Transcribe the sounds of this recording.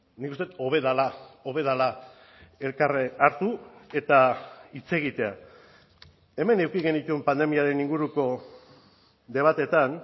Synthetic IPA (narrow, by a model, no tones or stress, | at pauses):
nikust̪e̞t̪o̞βe̞ðalao̞βe̞ðala | e̞lkaraɾt̪ue̞t̪ait͡se̞ɣ̞it̪e̞a | e̞me̞ne̞wkiɣe̞nit̪uempand̪e̞miaɾe̞niŋɡuɾuko̞ | d̪e̞β̞at̪e̞t̪an